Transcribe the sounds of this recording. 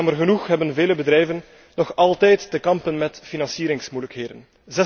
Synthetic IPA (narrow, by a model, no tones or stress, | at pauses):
ɑmərɣənuxɦɛbənveːləbədɾɛjvənː | ɔxɑlˠtɛjtːəkɑmpənmɛtfinɑnsiːɾɪŋsmujləkɦeːdən | zɛ